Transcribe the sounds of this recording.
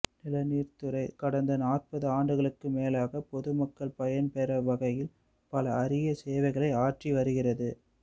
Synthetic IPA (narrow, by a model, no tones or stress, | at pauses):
nɪlɐniːrt̪ɯɾɐɪkɐɽɐnd̪ɐnaːrpɐðɯaːɳɖɯɣɐɭɯkːɯmeːlaːɣɐpɔðɯmɐkːɐɭpɐjɐnpɛɾɐʋɐɣɐjɪl | pɐlɐːrɪjɐseːʋɐɪɣɐɭɐɪaːʈriʋɐɾɯɣɪrɐðɯ